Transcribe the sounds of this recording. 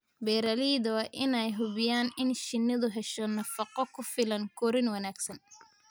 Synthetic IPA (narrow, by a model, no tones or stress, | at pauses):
bɛːɾɐliːðɐwɑʔɪnɛjɦʊβɪjaːnɪnʃɪnːɐðʊɦɛʃɔnɐfɑqɔkʰʊfɪlɐŋkʰɔːɾɪnwɐnaːɡsɐn